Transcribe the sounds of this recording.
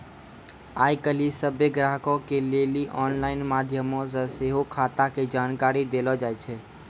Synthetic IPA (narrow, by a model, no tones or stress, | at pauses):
ajkəlisəbjeɡɾaɦkɔ̃keleliʔɔnlaɪnmad̪ʱjəmɔ̃s̬əseɦokʰat̪aked͡ʒankaɾid̪elɔd͡ʒajt͡ʃʰɛ